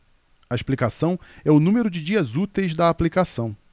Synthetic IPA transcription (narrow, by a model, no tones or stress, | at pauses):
ɐɪʃplikasɐ̃w̃ɛʊnũmeɾʊd͡ʒɪd͡ʒiɐzut̪ejzd̪ɐːplikasɐ̃w̃